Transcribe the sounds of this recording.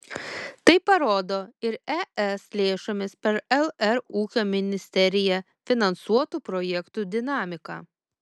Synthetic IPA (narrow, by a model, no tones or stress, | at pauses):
t̪ɐɪpɐɾoːd̪oːɪɾɛʔɛslʲeːʃomʲɪspʲɛɾɛlˠɛɾuːkʲoːmʲɪnʲɪsʲt̪ʲɛɾʲɪjɛ | fʲɪnɐnsuɔt̪uːpɾɔjɛkt̪ud̪ʲɪnɑːmʲɪkɑ̰ː